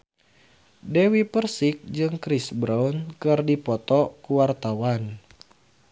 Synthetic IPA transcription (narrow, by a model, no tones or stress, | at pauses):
dewipərsik̚d͡ʒɨŋkɾisbɾaunkɨrdipɔt̪ɔkuwart̪awan